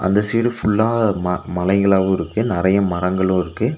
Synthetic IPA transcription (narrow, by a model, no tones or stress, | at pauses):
ʔɐ̰nd̪ɐsiːɾɯfʊɭːaːmɐmɐlɐɪɣɐɭaːʋɐ̃ɪɾɯkːɯnɪrɐjɐmɐɾɐŋɡɐɭʊ̃ːɪɾɯkːɯ